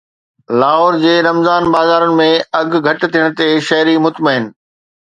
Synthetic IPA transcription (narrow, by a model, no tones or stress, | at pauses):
laːɦoːɾd͡ʑeːɾɐmzaːnbaːzaːɾʊnɪ̆mẽɐɡʱɡʱɐʈt̪ʰiːəɽ̃̆t̪eʃɐɦɾimʊt̪məɦɪnɪ̆